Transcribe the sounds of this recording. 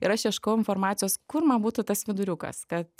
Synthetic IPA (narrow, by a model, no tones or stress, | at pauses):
ɪɾɐʃjɛʃkoːjʊɪnfoːrmɑːt̪ʲɪjoːskʊɾmɐnbuːt̪ʊt̪ɐsʋʲɪd̪ʊɾʲukɐ̰skɐt̪